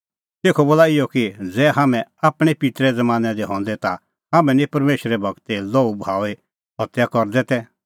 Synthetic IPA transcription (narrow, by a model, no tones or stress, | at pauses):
t̪eːkʰɔboːlaːɪjɔkid͡zɛːɦaːmɛ̃aːpɽ̃ɛpɪt̪ɾɛd͡zɐmaːnɛd̪iɦɔ̃ːnd̪ɛt̪a | ɦaːmɛ̃nĩpɐɾmeːʃɾɛbʱɐɡt̪eloːubʱaːe | ɦɔt̪jakɔɾd̪ɛt̪ɛ